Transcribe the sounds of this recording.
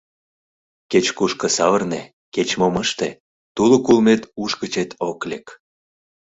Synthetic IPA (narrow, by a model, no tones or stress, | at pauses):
ket͡ɕkuʃkə̆sɑβərne | ket͡ɕmoməʃt̪e | t̪ulokulmet̪uʃkət͡ɕet̪ʰoklek